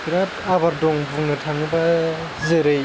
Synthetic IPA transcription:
kɾap̚abaɾdɔŋbuŋnɯtʰaŋɯba | zeɾɯ

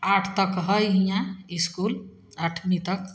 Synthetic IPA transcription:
aʈʰt̪ʌkɦʌjɦĩjãiskul | aʈʰnit̪ʌk

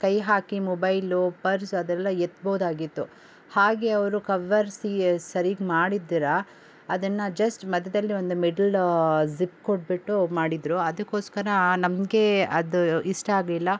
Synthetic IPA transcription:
kɐjɦaːkimɔbɐjlupɐɾsɐd̪ɛlːɐet̪ːboːd̪aːɡit̪ːu | haːɡe̞ɐʋɾukɐʋɐɾsisɐɾiɡmaːɽid̪ːiɾɐ | ɐd̪ɐnːɐd͡ʒɐsʈmɐd̪ːɐd̪ɐlːiʋo̞nd̪umiɖɐlzip̚koʈbiʈːumaːɽid̪ɾuɐd̪ɐkːo̞ːskɐɾɐnɐmɡe̞ɐd̪uiʂʈɐaːɡlilːɐ

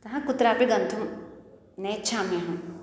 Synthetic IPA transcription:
t̪ɐɦãkʊt̪ɾaːpeɡɐ̃nt̪ʰum | net͡ʃʰaːmjɐɦã

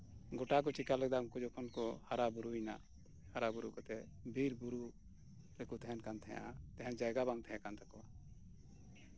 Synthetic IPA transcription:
ɡɔʈak̬ɔt͡ʃikalɛɡ̚d̪aŋkɔd͡ʒɔkʰɔnkɔhaɾabuɾuina̰ | haɾabuɾukɔt̪ɛbʱiɾbuɾu | ɾɛkut̪ɛɦɛnkant̪ʰɛ̃jʔa̰t̪ɛɦɛnd͡ʒajɡabaŋt̪ʰɛ̃ãkant̪ʰakɔwa

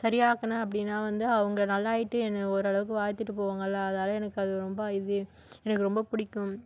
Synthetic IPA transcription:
sɐɾɪjaːkɐnaɐpːɐɽɪnːaːʋɐnd̪ɯɐʋɐŋɡɐnɐlːaːjɪʈːɯɛnːɐɔɾɯɐɭɐʋɯk̬ːɯʋaːjt̪ːɯʈːɯpoːʋaːŋɡɐlːaːɐðnaːlɐ̃ɛnɐkːɯɐðɯɾɔmbɐɐjɪðɯ | ɛnɐkːɯɾɔmbɐpʊɽɪkːʊ̃m

